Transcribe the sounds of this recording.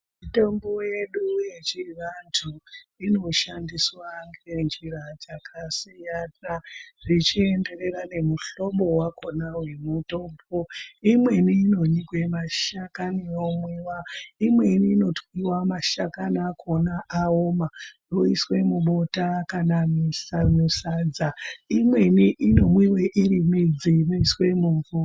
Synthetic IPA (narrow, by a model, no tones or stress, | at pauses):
mitombojje̞ɗuje̞t͡ʃiʋantʰuino̞ʃandiswaŋɡend͡ʒirad͡zakʰasijanaʐ̥it͡ʃie̞nde̞re̞rane̞muɬo̞ɓo̞wakʰo̞nawe̞muto̞ːmbo̞imwe̞niːno̞nikwe̞maʃakanijomwiːwaimwe̞niːno̞twiwamaʃakanakʰonaʔaomajoiswe̞muɓotakanamisamusaːd͡zaimweniʔino̞mwiweʔirimid͡ziroiswe̞muːɱvu